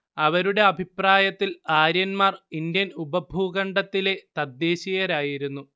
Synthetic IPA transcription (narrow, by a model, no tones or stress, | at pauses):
ɐʋɐɾuɽe̞ɐbʱipraːjɐt̪ːilaːɾjɐnmaːrind̪jɐnubɐbʱuːɣɐɳɖɐt̪ːile̞t̪ɐd̪je̞ːɕijɐɾaːjiɾunːu